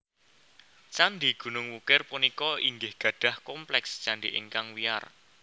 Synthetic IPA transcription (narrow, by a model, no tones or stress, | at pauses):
t͡ʃanɖiɡ̥ṳnʊŋwukɪrpunikɔiŋɡɪhɡ̥ä̤ɖ̥ä̤hkɔmplɛkst͡ʃanɖiʔɪ̰ŋkaŋwia̰r